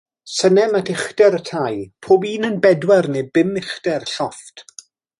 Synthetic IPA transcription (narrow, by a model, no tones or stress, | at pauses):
sənɛmadɪχdɛɾətʰajpʰoːbiːnənbɛdwɛrnebɪmɪχdɛrɬɔft